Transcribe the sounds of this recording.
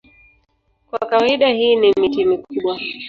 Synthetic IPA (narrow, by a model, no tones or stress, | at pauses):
kwakawaiɗahiːnimitimikuɓwa